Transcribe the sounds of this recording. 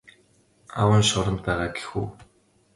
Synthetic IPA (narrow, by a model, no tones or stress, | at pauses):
a̰wə̆nʃʊɾə̆mt̪æːʁaːɡe̥xṵː